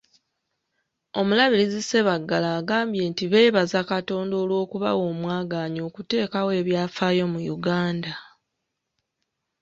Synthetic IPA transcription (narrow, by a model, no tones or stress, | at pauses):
o̞mulaβilizise̞βaɡːalaːɡaːmbje̞ːntiβe̞ːβazakato̞ːndo̞ːlwo̞ːkuβa̰wo̞ːmwaːɡaːɲo̞ːkute̞ːkawe̞βjaːfaːjo̞mujuɡaːnda